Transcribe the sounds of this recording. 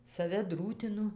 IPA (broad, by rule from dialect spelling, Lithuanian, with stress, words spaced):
sɐˈʋʲɛ ˈdruːtʲɪnʊ